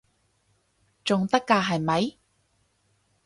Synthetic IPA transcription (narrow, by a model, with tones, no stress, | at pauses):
t͡sʊ˨ŋt̪ɐ˥kːaː˧ɦɐ˨˩jmɐ˨˧j